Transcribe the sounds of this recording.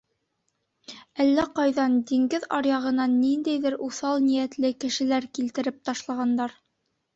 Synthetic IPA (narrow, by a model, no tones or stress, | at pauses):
ælːæqɑjðɑnd̪iŋɡɘðɑɾjɑʁɤ̆nɑnind̪æjðɘɾʔuθɑlˠnijæt̪lɘkɘ̆ʃɘ̆læɾkilt̪ɘ̆ɾɘp̚t̪ɑʃlˠɑʁɑnd̪ɑɾ